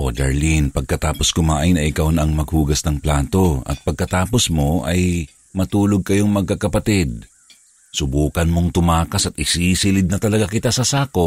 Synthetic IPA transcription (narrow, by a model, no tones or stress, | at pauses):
ʔo̞̰d̪ɐ̰ɹlinpɐɡ̚kɐt̪aːpo̞skʊmaːʔajnɐʔɪkawnɐʔɐŋmɐɡ̚huːɡɐsnɐŋplaːt̪o̞ʔɐ̰t̪̚pɐɡ̚kɐt̪aːpo̞smo̞ʔɐj | mɐt̪uːloɡ̚kɐjo̞ŋmɐɡ̚kɐkɐpɐt̪ɛd̪̚ | sʊbuːkɐnmo̞ŋt̪ʊmaːkɐsɐt̪ɪsisɪlɪd̪̚nɐt̪ɐlɐɡakɪt̪asɐsaːko̞p